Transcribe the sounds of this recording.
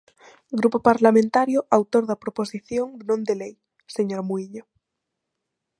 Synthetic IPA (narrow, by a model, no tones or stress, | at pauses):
ɡɾupopaɾlamẽnt̪aɾjoawt̪oɾðɐpɾoposiθjoŋnõnd̪elej | seɲoɾmuiʎo